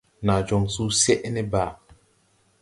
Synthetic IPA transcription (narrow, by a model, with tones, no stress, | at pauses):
na˨d͡ʒo˨ŋsu˦se˦ʔne˦ba˨